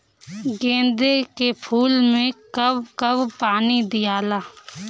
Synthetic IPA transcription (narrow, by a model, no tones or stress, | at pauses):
ɡẽːnd̪ekepʰuːlmẽkəbkəbpaːnid̪ɪjaːlaː